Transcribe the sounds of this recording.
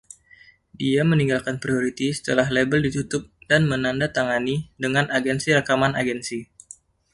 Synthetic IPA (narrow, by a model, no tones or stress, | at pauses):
diaməniŋɡalkanpɾioɾit̪isə̥t̪əlaɦlebəldit̪ut̪ʊp̚danmənandat̪aŋanidəŋanʔaɡɛnsiɾakamanaɡɛnsi